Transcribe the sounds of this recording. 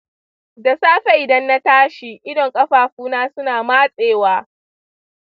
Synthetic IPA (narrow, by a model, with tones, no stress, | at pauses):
da˨saː˦ɸe˨ʔɪ˨dɐ˦nːa˦taː˦ʃiː˨ʔɪ˦dɔ˨ŋkʼɐ˦ɸaː˨ɸuː˦naː˦sʊ˦naː˨maː˦sʼeː˨waː˦